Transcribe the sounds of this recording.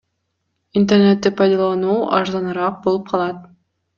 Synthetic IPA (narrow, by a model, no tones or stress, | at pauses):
int̪ernet̪ːipʰɑjd̪ɑlˠɑnuːʔɑ̰ɾzɑnɯɾɑq̚bolˠup̚qʰɑlˠɑt̪̚